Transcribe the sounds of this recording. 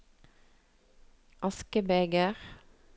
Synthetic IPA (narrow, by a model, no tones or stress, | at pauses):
ʔɑskəbeɡəʁ